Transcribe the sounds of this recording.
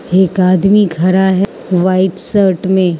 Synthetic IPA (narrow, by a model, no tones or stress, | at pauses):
eːkaːd̪miɡʱɐɾaɦɛ | ʋaːɪʈsəɾʈmẽ